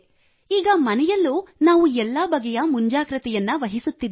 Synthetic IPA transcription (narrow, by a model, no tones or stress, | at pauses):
iːɡɐmɐnɛjɐlːunaːʋuɛlːɐbɐɡɛjɐmuɲd͡ʒaːkɾɐt̪ɛjɐnːɐʋɐɦisut̪ːid̪